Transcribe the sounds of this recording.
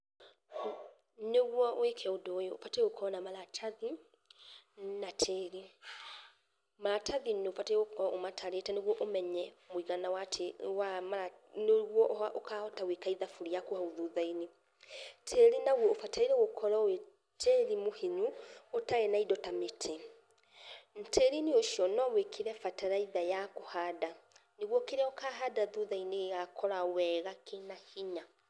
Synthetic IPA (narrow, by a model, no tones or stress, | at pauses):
neɣwɔwekʰɛodoːjofateokʰɔnamalatʰaði | natʰeːɾi | malatʰaðinofateokɔʔomatʰaɾetɛneɣwɔʔomɛɲɛmoiɣanawatʰewamaa | noɣwɔʔaʔokahɔtawekaiðafuɾijakohauðuðaini | tʰeɾinaɣwɔofatʰaiɾɛɣokʰɔɾawe | tʰeɾimoheɲuotaɣɛnaidɔtametʰe | n̩tʰeɾinioʃiɔnɔwekʰeɾɛfataɾaiðajakohaːdaneɣwɔkeɾaokaːɦadaðuðaineɣɣakʰɔɾawɛɣakenahiɲa